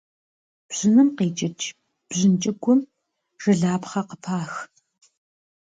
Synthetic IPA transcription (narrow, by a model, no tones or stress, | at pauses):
b̥z̥ɪnɨmqiːt͡ʃʼɪt͡ʃʰ | b̥ʑɪnt͡ʃʼɪɡʷʰʊm | ʒ̥ɨɮaːpχɐqəpʰaːx